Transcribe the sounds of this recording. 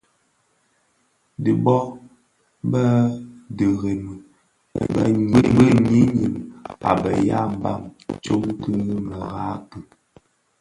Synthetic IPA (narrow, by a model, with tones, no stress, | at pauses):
di˨bɔ˦ | bə˦də˨ɣe˨nṵ˨ | bə˦bə˦ɲi˦ɲi˨ma̰˨bə˨ja̰˦m˦ba˦˨ŋt͡ʃo˦ŋkɨ˦ɣə˦mə˨ɣa˦tə˦˨